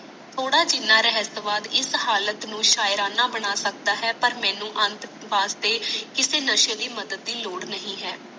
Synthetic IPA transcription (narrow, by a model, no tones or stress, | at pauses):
t̪ʰoːɽaːd͡ʒɪnːaːɾɛɦɛsʋaːd̪ɪshaːlət̪nũːʃaːjɪɾaːnaːbəɳaːsək̚d̪aːɦɛːpəɾmɛ̃ːnũːʔənt̪ | baːst̪eːkɪseːnəʃẽːd̪iːməd̪əd̪̚ːiːloːɽnəɦĩːɦɛː